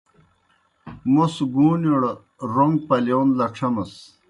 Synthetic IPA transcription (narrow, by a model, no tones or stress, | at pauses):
mosɡuːniɽ | ɾoŋɡ̚pɐlewnlɐʂʰɐmɐs